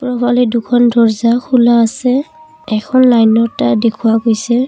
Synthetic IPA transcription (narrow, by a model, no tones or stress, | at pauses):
pɹɔbʱalidukʰɔndʱɔɹzakʰulaːsɛ | ɛkʰɔnlajnɔɹtadekʰuwakojsɛ